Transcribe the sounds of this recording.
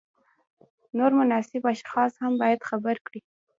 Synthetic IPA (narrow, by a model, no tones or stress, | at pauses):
noɾmʊnɑsɪbaʃxɑshambɑjad̪xabaɾkɽi